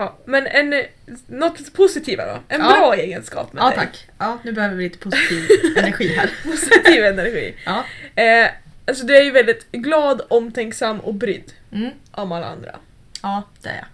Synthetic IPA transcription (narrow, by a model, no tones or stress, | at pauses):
ɑːmɛnɛn | nɔt̪ːpʰʊsɪt̪ʰiːva̰d̪ɔ̰ɛnbɾɑːeːɡənskɑ̰ːpmɛd̪ɛ̰akːɑːnʉ̟ːbɛhøːvəɾvɪliːt̪əpʰʊsiːvɛnæɾɧiːɦæɾpʰʊsɪt̪ʰiːvɛnæɾɧḭːɑ | alsɔd̪ɵæɾjɵvɛld̪ɪt̪ɡlɑːd̪ɔmːt̪ʰɛŋksamːɔ̰kbɾʏ̰d̪ː | ʔɔmalːa̰a̰nd̪ɾa̰ | ɑːd̪̥ɛæ̰ɾja̰